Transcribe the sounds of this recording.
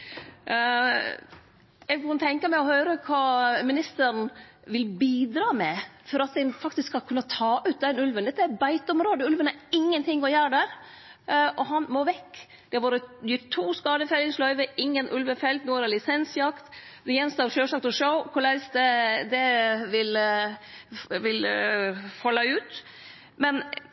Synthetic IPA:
ɛɡkɑnt̪ʰɛŋkɑmæɪɔhœʏɾəkʰɑːmɪnɪst̪əɾn̩ | ʋɪlbiːd̪ɾɑːmɛfɔɾɑt̪̚d̪ɛnfɑkt̪ɪskshɑlkʰʉnːɑt̪ʰɑːʔʉːt̪̚d̪ɛnʉlʋənd̪ɛt̪ːəæɾbæɪt̪ɔmɾoːd̪əʉlʋənæɾɪŋːənt̪ʰɪŋːɔjæːɾɖæɾ | ʔɔɦɑnmoːʋɛkː | d̪̥ɛhɑɾʋoːɾəjʏt̪ʰːuːskɑːd̪əfɛlːɪŋslœʏʋəɪŋːənʔʉlʋəfɛlt̪nuːɛɾɛlɪsɛnsjɑkt̪d̪ɛɛnst̪ɑːɾʂøːʂɑlt̪ɔʂəʊkʰʊlæɪsd̪ɛd̪ɛʋɪl | ʋɪl | fɔlːɑʉːt̪ | mɛn

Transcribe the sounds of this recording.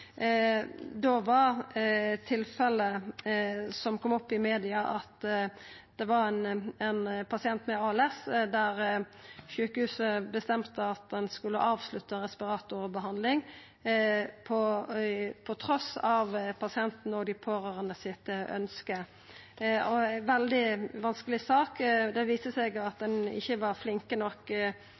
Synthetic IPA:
d̪oʋɑɾt̪ʰɪlfɛlə | sɔmkʰɔmɔpːɪmeːd̪ɪɑʔɑt̪ | d̪̥ɛʋɑɾɛnɛnpʰɑsɪɛnt̪mɛɑːɛlɛsd̪æʁ | ʃʉːkəhʉːsəbəst̪ɛmt̪əɑt̪̚d̪ɛnskʉlːəʔɑːʋslʉt̪ːɑʁɛspɪɾɑːt̪ʊʁbəɦɑnd̪lɪŋ | pʰɔ | pʰɔt̪ʰʁɔsɑʋpʰɑsɪɛnt̪n̩əɔɡd̪ɪpʰoːɾøːʁənəsɪt̪œ̰nskə | ɔʋɛld̪ɪʋɑnskəlɪsɑːkd̪ɛʋiːsəsɛɡɑt̪̚d̪ɛnɪ̰çːəʋɑɾflɪŋkənɔk

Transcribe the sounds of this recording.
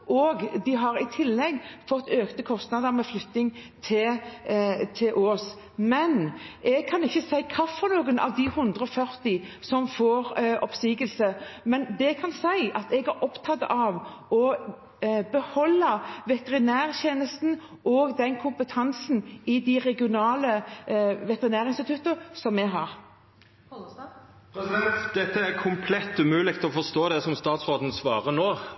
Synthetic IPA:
ʔɔːɡd̪ɪɦɑɾɪt̪ʰɪlːɛɡːfɔt̪ːøːkt̪əkʰɔst̪nɑd̪əɾmɛflʏt̪nɪŋt̪ʰɪl | t̪ʰɪlʔoːs | mɛnʔɛɡ̚kʰɑnɪçːəsæɪkʰɑfːɔnuːɡənɑ̰ʋd̪ɪhʉnd̪ʁəɔfœɾt̪ɪsɔmfoːɾʔɔpsiːɡəlsəmɛnd̪ɛkʰɑnsæɪʔɑt̪ɛɡæɾɔpt̪ʰɑt̪ːɑʋ | ɔ | bəhɔlːəʋɛt̪əʁɪnæːɾçeːnəst̪n̩ | ʔoːɡd̪ɛnkʰʊmpət̪ʰɑnsn̩ɪd̪ɪʁɛɡɪʊnɑːlə | ʋɛt̪əɾɪnæːɾɪnst̪ɪt̪ʉt̪ːəsɔmːɛɦɑːɾ | pʰɾɛsɪd̪ɛnt̪d̪ɛt̪ːəæɾkʰʊmpʰlɛt̪ːʉmʉːlɪk̚t̪ʰɔfɔst̪oːd̪ɛsɔmst̪ɑːt̪sʁoːd̪n̩sʋɑːʁənoː

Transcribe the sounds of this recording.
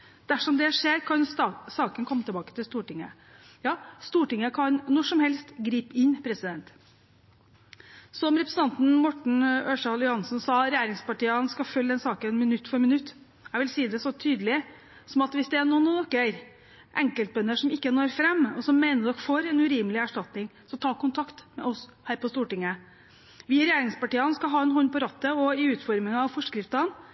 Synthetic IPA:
d̪̥æʂɔmd̪ɛʂeːɾkʰɑnsɑːkənkʰɔmːət̪ʰəbɑːkə̥t̪ʰɪlst̪uːʈɪŋə̰ | jɑːst̪uːʈɪŋːəkʰɑnnɔʂɔmhɛlst̪ɡɾiːpɪnːpʰɾɛsɪd̪ɛnt̪ | sɔmɾɛpɾsn̩ɑnt̪n̩mɔʈɳ̩øːʂɑljʊhɑnsnsɑːɾɛjæːɾɪŋspɑʈiːəɑnskɑfœlːəd̪ɛnsɑːkənɛnmɪnʉt̪ːfɔɾmɪnʉt̪ː | jæɡʋɪlsiːd̪ɛsɔt̪ʰyːd̪əlɪ | sɔmɑt̪ʋɪsd̪ɛæɳoːnuːnɔkːəɾ | ʔɛŋkəlt̪̚bœnːəʂɔmɪkːənoːɾfɾɛmːɔsɔmːæɪnəɖ̪ɔkfoːɾɛnʉɾiːməlɪæʂʈɑt̪nɪŋsɔt̪ʰɑːkʊnt̪ʰɑkt̪mɛ̰ʔɔshæːɾpɔst̪uːʈɪŋːə | ʋiːɾɛjæːɾɪŋspɑʈiːɑnskɑɦɑːɛnhɔnːpɔɾɑt̪ːəɔɪʉːt̪fɔɾmɪŋɑʋfɔʂkɾɪft̪ɑn

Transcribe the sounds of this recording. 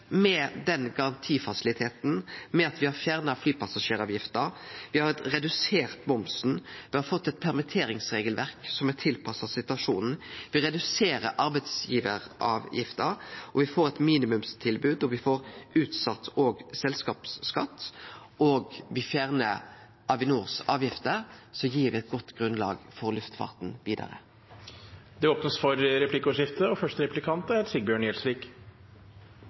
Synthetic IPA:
mɛd̪ɛnɡɑɾɑnt̪ʰiːfɑsɪlɪt̪ʰeːt̪n̩mɛɑt̪ʋɪhɑɾfjæːʁnɑflyːpɑsɑʂeːɾɑːʋjɪft̪əɾʋɪhɑɾɾɛd̪ʉseːʁt̪bɔmsn̩ʋɪhɑɾfɔt̪ːɛt̪̚pʰæʁmɪt̪ʰeːɾɪŋsʁeːɡəlʋæʁksɔmɛt̪ʰɪlpʰɑsɑsɪt̪ʉɑʂuːnn̩ʋɪʁɛd̪ʉseːɾəʔɑɾbɛɪd̪sjiːʋəɾʔɑ̰ːʋjɪ̰ft̪əɾɔʋɪfoːɾɛt̪miːnɪmʉmst̪ʰɪlbʉːd̪ɔʋɪfoːɾʉːt̪sɑt̪ːoːɡsɛlskɑːpsːkɑt̪ː | oːɡʋɪfjæːʁnə | ʔɑʋɪnuːʁsɑːʋjɪft̪əɾsɔjiːʁʋɪɛt̪̚ɡɔt̪ːɡʁʉnlɑ̰ːɡfɔɾlʉft̪fɑ̰ːʁt̪nʋiːd̪ɑ̰ʁə̰ | d̪ɛoːpnəsfɔɾɾɛpʰlɪkːəɔːɪft̪əɔfœʂtəɾɛplɪkʰɑnt̪æt̪sɪɡ̚bjøːɳjɛlsɾiːk

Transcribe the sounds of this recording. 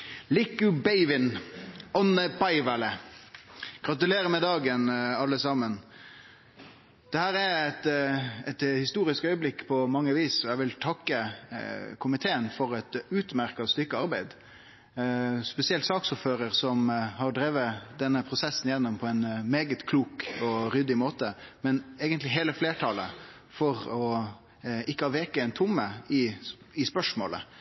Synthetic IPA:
lɪkːʉbæɪʋɪnɔnəbɑɪʋɑlə | ɡ̥ɾɑt̪ʉleːɾəmɛd̪ɑːɡənɑlːəsɑmːən | d̪̥ɛhæːɾɛɾɛt̪ɛt̪hɪst̪uːɾɪskœʏəblɪkːpʰɔmɑŋːəʋiːsɔɛʋɪlt̪ʰɑkːə | kʰʊmɪt̪ʰeːənfɔɾɛt̪ʉːt̪mæɾkɑst̪ʏkːəɑɾbæɪd̪ | spɛsɪɛlt̪sɑːksuːɾføːɾəɾsɔmɦɑɾɖɾeːʋəd̪ɛnːəpʰɾʊsɛsːnjɛnːɔmpʰɔɛɪnmeːɡət̪kʰluːkɔɾʏd̪ɪmoːt̪əmɛnæɪɡənt̪lɪɦeːləfleːʈʰɑːlə | fɔɾɔ | ɪkːəhɑːʋeːkəɛɪnt̪ʰʊmːəɪ | ɪspœʂmo̰ːlə̰

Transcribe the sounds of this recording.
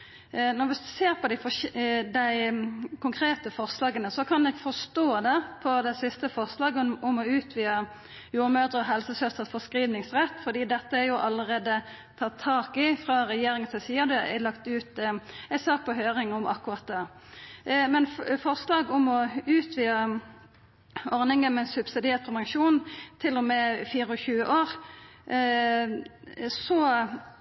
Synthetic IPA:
nɔɾʋɪseːɾpʰɔd̪ɪfɔd̪æɪkʊŋkʰɾeːt̪əfɔʁslɑːɡənəsɔkʰɑnɛɡfɔst̪oːd̪ɛpʰɔd̪æɪsɪst̪əfɔʁslɑːɡʊmɔʉːt̪ʰʋiːə | juːɾmøːd̪ʁəɔɦɛlsəsœst̪ət̪fɔskɾiːʋnɪŋsʁɛt̪ːfɔd̪iːd̪ɛt̪ːəæɾjʊʔɑləʁeːd̪ə | t̪ʰɑt̪ʰːɑːkɪfʁɑʁɛjeːɾɪŋənt̪ʰɪlsiːɑd̪ɛæ̰lɑkt̪ʉːt̪æɪsɑːk̚pʰɔɦøːʁɪŋɔmʔɑ̰kːʉʁɑt̪̚d̪æːʁ | mɛnfɔʁslɑːɡɔmɔʉːt̪ʰʋiːə | ɔʁnɪŋənmɛnsʉb̥sɪd̪ɪeːʁt̪̚pʰʁɛʋəŋʃuːnnt̪ʰɪlːɔmɛfiːʁəɔçʉːəʔoːʁ | sɔ

